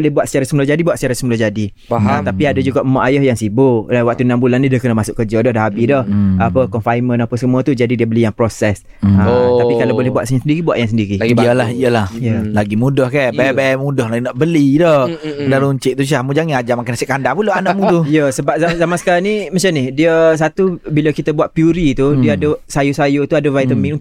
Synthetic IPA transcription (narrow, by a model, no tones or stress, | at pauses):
lehbuat̪sə̥t͡ʃaɾasəmulahd͡ʒadibuwat̪sə̥t͡ʃaɾasəmulɔhd͡ʒadi | aat̪apiadad͡ʒuɡaʔəmaʔajɔhjaŋsiboawak̚t̪unambulanːĩdiəkənəmasʊʔkəd͡ʒədɔhdaɦabidɔhapəkɔnfajmə̃napəsəmuət̪ud͡ʒadidiəbəlijaŋpɾosɛs | əapitkalowbolehbuat̪ʔsaɲasəndiɾibuwaʔjaŋsəndiɾiiəlahijəlahjəlaɡimũdɔhkabɛɛbɛɛmudɔhlaɡinaʔbəlidɔdaɾuɲt͡ʃɪʔt̪uʃ̬ahmũd͡ʒaŋɪnad͡ʒamakɪnasɛʔkandapuləanaʔmũt̪ujəsəbap̚zazamãnsə̥kaɾaŋnimat͡ʃanɪhdiəs̬at̪ubilakit̪əbuaʔ̪̚pjuɾit̪udiəadəsajusajut̪uadəvajt̪əmĩŋ